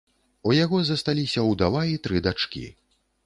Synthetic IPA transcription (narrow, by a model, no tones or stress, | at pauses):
ujaɣɔzɐst̪alʲisʲɐwd̪avajit̪ɾɨd̪at͡ʂkʲḭ